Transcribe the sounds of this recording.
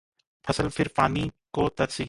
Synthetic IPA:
pʰɐsəlpʰɪɾpaːnikoːt̪ɐɾsiː

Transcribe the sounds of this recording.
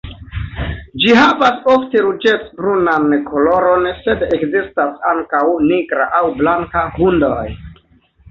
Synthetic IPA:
d͡ʒiɦavasofte̞ɾud͡ʒe̞t͡sbɾunankʰolo̞ɾo̞nse̞dekzistasaŋkawniɡɾa̰ʔawblaŋkahundoj

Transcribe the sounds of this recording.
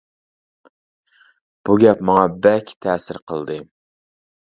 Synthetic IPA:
b̥uɡʲɛpmɑŋɑbɛlkʲʰt̪ʰɛːsɪɾqʰəlˠd̪ɨ

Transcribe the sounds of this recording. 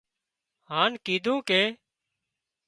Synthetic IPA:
ɦaːnkiːd̪ʱũːkeː

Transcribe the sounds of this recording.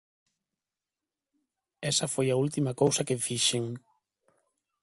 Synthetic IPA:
ɛsɐfojault̪imɐkowsɐkefiʃeŋ

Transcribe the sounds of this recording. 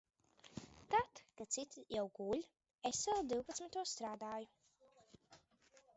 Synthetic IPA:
t̪at̪kat̪sit̪jawɡulʲ | esːɛlˠd̪iwpat̪smʲit̪uɔsst̪ɾaːd̪aːju

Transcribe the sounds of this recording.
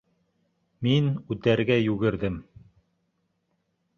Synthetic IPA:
minʉt̪æɾɡæjʉɡɘ̆ɾðɘm

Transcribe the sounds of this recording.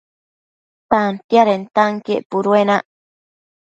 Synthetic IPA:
t̪ant̪jaɾent̪aŋkeʔpuɾuenã

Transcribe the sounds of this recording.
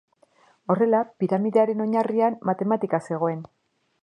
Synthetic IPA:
o̞re̞lapiɾamiðe̞aɾe̞no̞ɲariamːat̪e̞mat̪ikase̞ɣ̞o̞e̞n

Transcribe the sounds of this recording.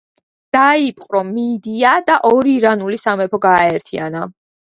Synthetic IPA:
d̪̥aipʼqʼɾɔmid̪iad̪aʔɔɾiːɾanulisamɛpʰɔɡaːɛɾt̪ʰia̰na

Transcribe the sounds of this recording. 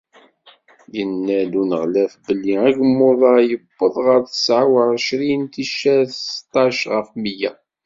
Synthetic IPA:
jənːælunəʁlæfbəlːiæʝəmːʊðˤɑjəbːəðˤʁəɾθə̥sʕawəɾˤəʃɾint̪iʃæθst̪ˤːɑʃʁəfmijæ

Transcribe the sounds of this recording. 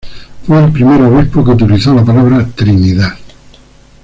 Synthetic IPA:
fuilpɾimɛːɾoɾipːoket̪̬ilisɔlapalaːvɾat̪ɾimiða

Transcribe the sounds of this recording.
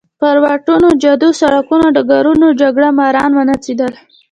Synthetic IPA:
pəɾwɑʈunod͡ʒad̪osaɽakunod̪əɡaɾunod͡ʒaɡɽamɑɾɑnwənat͡sid̪əl

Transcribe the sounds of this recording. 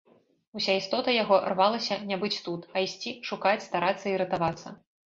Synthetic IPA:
usʲaist̪ɔt̪ɐjaɣɔrvalˠɐsʲɐnʲabɨt͡sʲt̪ut̪ɐisʲt͡sʲiʂukat͡sʲst̪aɾat̪sːɐiɾɨt̪avat̪sːɐ̰

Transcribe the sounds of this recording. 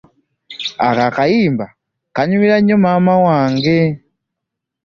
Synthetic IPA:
akaːkajiːmba | kaɲumiɾaɲːomaːmawaːŋɡe̞

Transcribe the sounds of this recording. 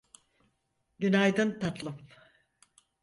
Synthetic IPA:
ɟynajd̪ɯnt̪at̪lˠɯm

